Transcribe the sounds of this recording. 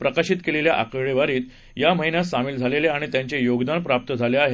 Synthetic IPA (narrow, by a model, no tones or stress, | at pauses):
pɾəkaɕit̪keleljaʔa̰kəɭeʋaɾiːt̪ | jaməɦinjasamiːld͡zʱaleleaɽ̃it̪jãɲt͡ɕejoɡd̪anpɾap̚t̪əd͡zʱaleaɦe